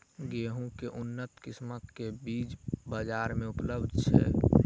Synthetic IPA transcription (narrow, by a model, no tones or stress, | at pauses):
ɡeːɦũkeʔʊnːət̪kɪsmət̪kebiːd͡ʒbəd͡ʒaːɾmẽʊpləbd̪ʱt͡ʃʰɛ̰ː